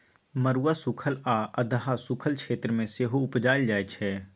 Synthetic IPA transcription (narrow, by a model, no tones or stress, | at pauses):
məɾuːasʊkʰəlaəd̪əɦasʊkʰəlkʃʰeːt̪ɾəmẽseɦoʊpd͡ʒaːjld͡ʒaːjt͡ʃʰɛː